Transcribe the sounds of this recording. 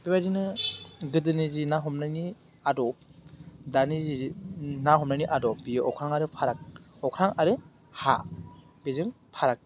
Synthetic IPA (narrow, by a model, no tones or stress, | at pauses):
b̥ibajdinɯɡɯdɯnizinaɦɔmnajni | adɔp̚danizinaɦɔmnajniʔadɔp̚bijɔkʰɾaŋaɾɯpʰaɾak̚ɔkʰɾaŋaɾɯ | ha | bezɯŋ | pʰaɾak̚